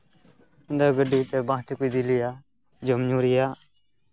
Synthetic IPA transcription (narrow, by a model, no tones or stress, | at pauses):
ɪnd̪aɡəɖit̪ɛbãːt̪ikʊid̪ilijaː | d͡ʒəmɲuːɾɪjaː